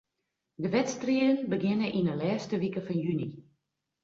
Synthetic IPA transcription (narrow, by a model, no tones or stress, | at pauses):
dəʋɛtstriəənbəɡɪnəʔinəlɛːstəʋikəfɔnjyni